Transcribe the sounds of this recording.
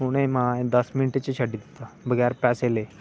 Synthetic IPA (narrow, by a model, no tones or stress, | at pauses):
muɽ̃emaed̪əsminiʈet͡ɕeɕaɖid̪et̪abəɡjaɾpɛsele